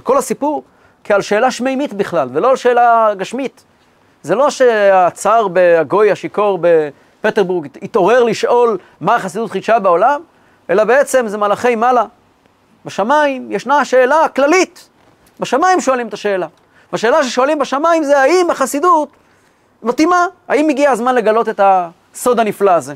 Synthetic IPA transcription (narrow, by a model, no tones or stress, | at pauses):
ko̞lhasipuʁ | kialʃe̞ːlaʃmejmit̪biχlalvelo̞alʃe̞ːlaɡaʃmit | zelo̞ʃeat͡saʁbeaɡo̞jaʃikoʁbe | peteʁbuʁɡit̪o̞ʁe̞ʁliʃʔo̞l | maːχasid̪ut̪χiʃabeolam | ʔe̞labe̞et͡se̞mzemalaχe̞jmala | baʃamaimjeʃnaʃe̞ːlaklalit | beʃamaimʃo̞alimet̪aʃe̞ːla | vaʃe̞ːlaʃeʃo̞alimbaʃamaimzeaimaχasidut | matimaa̰imiɡiaːzmanle̞ɡalo̞t̪e̞ta | so̞d̪aniflaːze̞